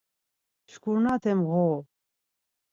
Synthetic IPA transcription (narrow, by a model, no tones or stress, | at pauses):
t͡ʃʰkʰuɾnat̪ʰɛmɣɔ